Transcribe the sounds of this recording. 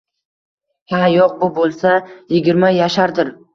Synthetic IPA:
hajɒq̚bʊbolˠsajɪɡʲɪɾmajaʃaɾd̪ɪɾ

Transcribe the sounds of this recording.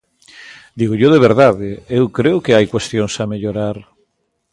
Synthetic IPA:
d̪iɣoʎoðeβ̞eɾðaðeewkɾeʊkeajkwest̪jõŋsameʎoɾaɾ

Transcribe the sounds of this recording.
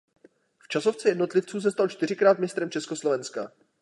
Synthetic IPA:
ft͡ʃaso̞ft͡sɛjɛdno̞t̪lɪft͡suːs̬ɛst̪alt͡ʃt̪ɪr̝ɪkɾaːt̪mɪst̪ɾɛmt͡ʃɛskoslovɛnska̰

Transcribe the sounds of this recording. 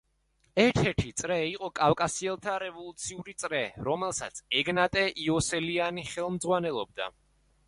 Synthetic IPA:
ɛɾt̪ʰɛɾt̪ʰit̪sʼɾɛiqʼɔkʼafkʼasiɛlˠt̪ʰaɾɛvɔlˠut̪sʰiuɾit̪sʼɾɛɾɔmɛlˠsat̪sʰɛɡnat̪ʼɛʔiɔsɛlianiχɛlˠmd̪zʁwanɛlˠɔb̚d̪a̰

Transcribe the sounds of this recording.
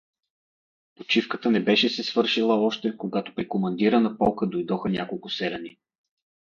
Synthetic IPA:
pot͡ʃifkət̪ənɛbɛʃɛsɛsvɤɾʃilˠəɔʃt̪ɛkoɡat̪o̥pɾikomɐnd̪iɾənɐpɔlˠkəd̪ojd̪ɔxənʲakolˠkʊsɛɾɛni

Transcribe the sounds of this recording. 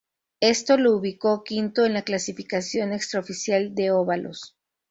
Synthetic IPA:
e̞st̪o̞lo̞uβiko̞kint̪o̞enlaklasifikasjo̞ne̞kst̪ɾaofisjald̪e̞oβalo̰s

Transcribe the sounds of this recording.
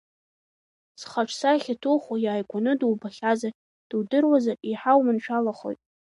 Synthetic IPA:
sχaʈ͡ʂʰsaχʲatʰuχʷajaːjkʷʼanɨduwbaχʲaza | d̥ɨwdɨrwazaiħawmɨnʃʷʰalaχo̰jtʼ

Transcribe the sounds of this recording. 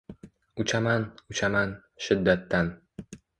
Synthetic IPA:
ʊt͡ʃʰamanʊt͡ʃʰaman | ʃɪd̪ːat̪ːan

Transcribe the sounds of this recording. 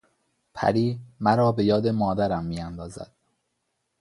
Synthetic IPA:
pʰæ̰ɾiːmæɾɒːbe̞jɒːd̪e̞mɒːd̪æɾæmːijænd̪ɒːzæ̰d̪̥

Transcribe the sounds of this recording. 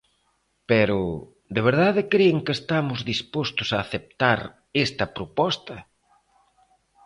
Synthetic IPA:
peɾʊ | d̪eβ̞eɾð̞aðɪkɾeeŋkeːst̪amʊzðispost̪ʊsaːθep̚t̪aɾ | est̪ɐpɾopɔst̪ɐ

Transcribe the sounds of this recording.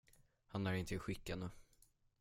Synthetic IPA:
hanæɾɪnt̪əɪɧɪkːanə

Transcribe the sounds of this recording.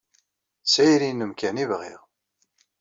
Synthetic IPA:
sæjɾinəmkænivʁɪ̰ʁ

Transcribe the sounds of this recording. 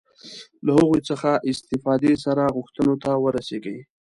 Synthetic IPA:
lahəɣet͡səxaʔɪst̪ɪfɑd̪es̬aɾaɣʊxt̪ənot̪awəɾaseɡe

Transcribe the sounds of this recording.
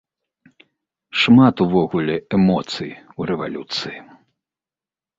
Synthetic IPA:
ʂmat̪uvɔɣulʲɛɛmɔt̪sɨjiwɾɛva̰lʲut̪sɨji

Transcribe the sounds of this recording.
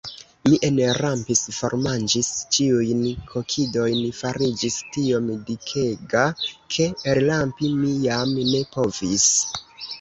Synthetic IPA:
miʔenɾampisfo̞̰ɾmand͡ʒist͡ʃiujnkʰo̞kʰido̞jnfaɾid͡ʒistio̞mdikʰe̞ɡakʰe̞eɾlampimijamne̞po̞vis

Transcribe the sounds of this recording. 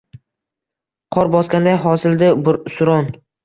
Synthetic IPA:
qʰɒɾbɒskʲand̪ajɦɒsɪld̪ɪbʊɾsʊɾɒn

